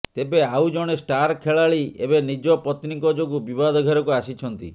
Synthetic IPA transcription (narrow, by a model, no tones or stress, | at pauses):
t̪ebeawd͡ʒɔɽ̃esʈaɾkʰeɭaɭiebenid͡ʒɔpɔt̪nikɔd͡ʒoɡubibad̪ɔɡʱɔɾɔkuasit͡ʃʰɔnt̪ḭ